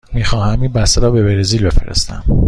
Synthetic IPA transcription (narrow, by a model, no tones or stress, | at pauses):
miːxɒːhæmiːnbæst̪eɾɒːbe̞beɾeziːlbe̞feɾḛst̪æ̰m